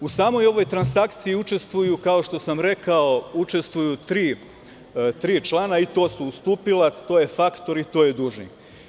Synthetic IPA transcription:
usaːmo̞jo̞ʋo̞jt̪ɾansakt̪siiut͡ʃe̞st̪ʋujukao̞ʃt̪o̞samɾe̞kaout͡ʃe̞st̪ʋujut̪ɾiː | t̪ɾiːt͡ʃlˠaːnait̪o̞ːsuːst̪uːpilat̪o̞ːjefakt̪o̞ɾit̪oːjed̪uʒnḭ

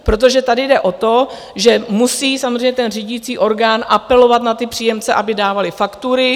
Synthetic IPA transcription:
pɾo̞t̪̬o̞ʒɛt̪adɪdɛʔo̞t̪o̞ | ʒɛmusiːsamozrɛjɲɛt̪ɛnriːɟɪt͡siːʔo̞ɾɡaːnʔapɛlo̞vat̪nat̪ɪpr̝̥iːjɛmt͡sɛʔabɪdaːvalɪfakt̪uɾɪ

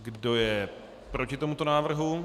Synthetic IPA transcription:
ɡdo̞jɛ | pɾo̞cɪt̪o̞mut̪onaːvr̩ɦu

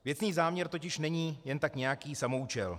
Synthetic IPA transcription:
vjɛt͡sniːzaːmɲɛɾt̪o̞cɪʃnɛɲiːjɛnt̪akɲɛjakiːsamo̞ut͡ʃɛl

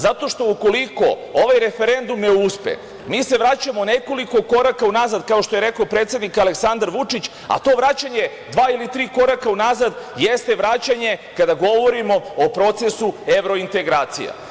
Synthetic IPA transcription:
zat̪o̞ʃt̪o̞uko̞liko̞̰ | o̞ʋajɾe̞fe̞ɾe̞nd̪umneuspḛ | miːse̞ʋɾat͡ɕamo̞ne̞ko̞liko̞ko̞ɾakaunazad̪kaoʃt̪oje̞ɾe̞koopɾet̪se̞d̪nikale̞ksand̪aɾʋut͡ʂit͡ɕ | a̰t̪o̞ʋɾat͡ɕaɲe̞ | d̪ʋaːilit̪ɾiːko̞ɾakaunazad̪jest̪e̞ʋɾaːt͡ɕaɲe̞kad̪aɡo̞ʋo̞ɾimo̞opɾo̞t̪se̞sue̞ʋɾo̞int̪e̞ɡɾaːt̪sḭja̰

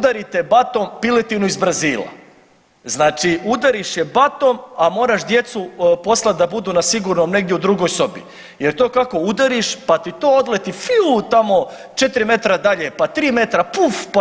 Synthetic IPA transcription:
ud̪aɾit̪ebat̪ompilet̪inuizbɾaziːla̰ | znaːt͡ʃiud̪aɾiʃjebat̪omamo̞ːɾaʃd̪je̞t̪supo̞slˠat̪̚d̪abud̪uːnasiɡuɾnomne̞ɡd̪jeud̪ɾuɡojso̞bḭ | jeɾt̪o̞ːkako̞ud̪aɾiʃpat̪it̪oːod̪let̪ifiut̪amo̞ | t͡ʃet̪ɾime̞t̪ɾad̪aʎepat̪ɾiːme̞t̪ɾapufp

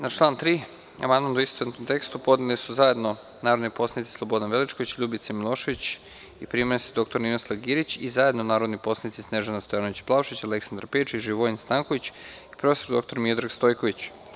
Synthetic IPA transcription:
nat͡ʃlˠaːnt̪ɾiː | a̰mand̪mand̪uist̪oent̪omt̪e̞kst̪upo̞d̪nilisuzaje̞d̪no̞ | naːɾod̪nipo̞slanit̪sislˠo̞bo̞d̪anʋelit͡ʃkoʋit͡ɕʎuːbit̪semilˠo̞ːʃeʋit͡ɕ | ipɾimanist̪id̪o̞k̚t̪o̞ɾninoslˠaɡiɾit͡ɕizaje̞d̪nonaːɾo̞d̪nipo̞sanit̪sisneʒanast̪o̞jaːnoit͡ɕplˠaʋʃit͡ɕale̞ksand̪ɾaɾpet͡ʃiʒiʋo̞inst̪aŋkoʋit͡ɕ | i̥pɾo̞fst̪oɾd̪o̞k̚t̪o̞ɾmiod̪ɾaɡst̪o̞jko̞ʋit͡ɕ

